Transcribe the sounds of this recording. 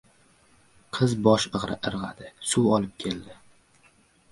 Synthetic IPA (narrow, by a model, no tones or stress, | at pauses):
qʰɨzbɒʃɨʁɾɪ̰ʔɨɾʁa̰d̪ɪsuwɒlɪp̚kʲʰe̞ld̪ɪ